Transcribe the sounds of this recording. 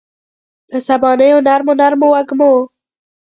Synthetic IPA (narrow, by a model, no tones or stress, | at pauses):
d̪̥əsabɑːnejʊnaɾmonaɾmowaɡmo